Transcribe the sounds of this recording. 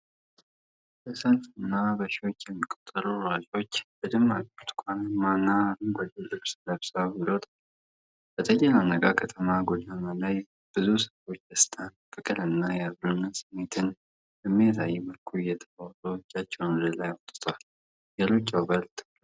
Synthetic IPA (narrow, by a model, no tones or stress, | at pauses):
bəsəlfɨnːabəʃɪwo̞t͡ʃːjɛmːikʼot̪ʼːəɾuɾad͡ʒo̞t͡ʃːbəd̪ɨmːakʼot̪kʰʷʼanɨmːanːaahumɡod̪elɨβsləβsailot̪ʰʼa | b̥ət̪ʼəkʼːɛlanəɡʼakʰət̪ʰəmaɡod̪analaj | b̥ɨzusəfo̞t͡ʃːd̪əst̪ʰʼanfɨkʼɨlɨnːajaβlunːɨsɨmːe̞t̪ʰɨn | hɨmːet̪ʰajɛməlkʰujɛt̪ʰəat̪ʼot͡ʃʼːat͡ʃːɛwnləlajwɔt̪ʼːɨt̪ʰal | ɡəlot͡ʃʼːawbəlt̪ʰʼɨ